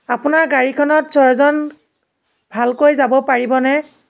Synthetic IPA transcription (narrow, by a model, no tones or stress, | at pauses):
apʊnaɹɡaɹikʰɔnɔtsɔɹzɔn | bʱalkojzabɔpaɹibɔnɛ